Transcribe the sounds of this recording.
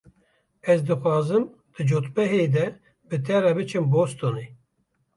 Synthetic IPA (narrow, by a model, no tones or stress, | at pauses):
ɛzd̪ɨxʷɑːzɨm | d̪̥ɨd͡ʒot̪bɛɦeːd̪ɛ | bɨt̪ʰɛɾɛbɨt͡ʃʰɨmbost̪one